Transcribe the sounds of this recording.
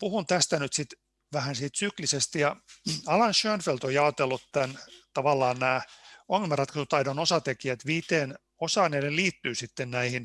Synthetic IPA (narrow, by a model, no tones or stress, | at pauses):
puhunt̪æst̪ænyt̪sit̪ | ʋæhænsiːt̪syklisest̪ijɑɑlɑnʃøːnfelt̪ojɑot̪elːut̪t̪ænt̪ɑʋɑlːɑːnnæːoŋːelmɑrɑt̪kɑsut̪ɑidonosɑt̪ekiæt̪ʋiːt̪eːn | osɑːneːleliːt̪ːyːsit̪ːennæihin